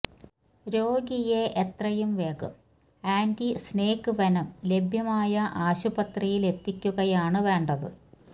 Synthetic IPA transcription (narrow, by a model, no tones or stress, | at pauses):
ɾo̞ːɡijeʔet̪rɐjumʋeːɣɨ̰ | aːndisneːkːɨʋɐnɐmle̞bʱjɐmaːjɐʔaːɕubɐt̪rijile̞t̪ːikʲːuɣɐjaːɳɨʋe̞ːɳɖɐðɨ̰